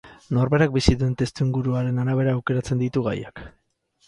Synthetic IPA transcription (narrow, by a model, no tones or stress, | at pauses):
no̞ɾβe̞ɾak̚bisiðent̪e̞st̪uiŋɡuɾuaɾe̞naɾaβ̞e̞ɾaːwke̞ɾat͡se̞nd̪it̪uɣa̰jak